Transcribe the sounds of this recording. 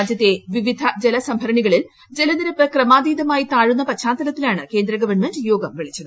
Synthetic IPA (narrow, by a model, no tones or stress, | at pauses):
d͡ʑjɐt̪ːe̞ʋiʋid̪ʱɐd͡ʑelɐsɐmbʱɐɾɐɳiɣɐɭil | d͡ʑelɐniɾɐpːɨkrɐmaːd̪iːd̪ɐmaːjit̪aːɻunːɐpɐtɕaːnt̪ːɐlɐt̪ːilaːɳɨke̞ːnd̪ɾɐɡɐʋɐrɳmendjo̞ːɡɐmʋiɭit͡ɕːɐðɨ